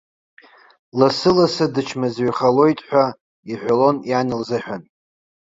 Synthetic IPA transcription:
lasɨlasɨdɨt͡ʃʰmazɥχalo̞jtʼħᶣʷa | iħʷᶣalo̞njanɨlzɨħʷᶣan

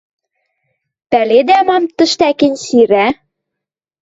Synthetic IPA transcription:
pæled̪æmɑmt̪ə̆ʃt̪ækɘ̆nʲsiɾæ

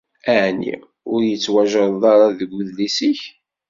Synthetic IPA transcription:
æʕnḭ | ʊɾjət͡sːwæʒəɾˤðˤɑɾˤɑðəɡʷʊðlisiç

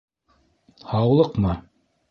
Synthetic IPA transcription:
hɑwlˠɤqmɑ

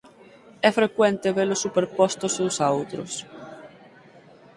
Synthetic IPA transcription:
ɛfɾekwɛnt̪eβelʊsːupeɾpɔst̪ʊsusaowt̪ɾʊ̰s

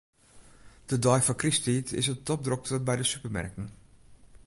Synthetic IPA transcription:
d̥ədɔjfɔkristitʰɪ̰sətɔp̚drɔk̚təbɛjdəsypəɹmɛ̰ɹkən

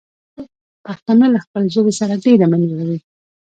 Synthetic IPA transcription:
paxt̪anəlaxpəlzobesaɾaɖeɾamanzlawi

